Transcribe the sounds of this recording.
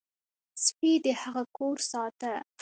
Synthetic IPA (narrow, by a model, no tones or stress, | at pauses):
spid̪əhaɣakoɾsɑt̪a